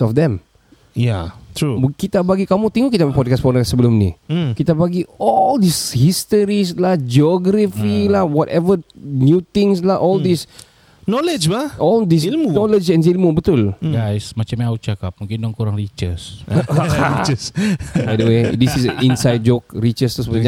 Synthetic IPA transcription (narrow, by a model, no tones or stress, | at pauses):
tɔfd̪ɛ̃m | jat̪ʰɹukit̪abaɡikamut̪iŋukit̪ãpɔd̚kaspɔnkasəbəlʊmnḭkit̪abaɡiɔldishist̪əɾis̬lahd͡ʒiɔɡɾafilawɔtɛvənjut̪ɪ̃ŋslaʔɔldis | nɔləd͡ʒbaʔɔldis̬lmunɔləd͡ʒɛ̃nsilmubət̪ʊlɡajsmat͡ʃamiaut͡ʃakap̚mũŋkɪndɔŋkuɾaŋɾit͡ʃəs | it͡ʃəsbajdəwedisisinsajd̚d͡ʒok̚ɾit͡ʃəst̪usəbəd͡ʒa